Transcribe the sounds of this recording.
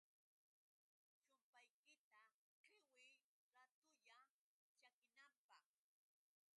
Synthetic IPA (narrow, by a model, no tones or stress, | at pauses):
t͡ʃʊmpajkɪt̪a | kɪwɪ | ɾat̪ʊʎa | t͡ʃakɪnampɑχ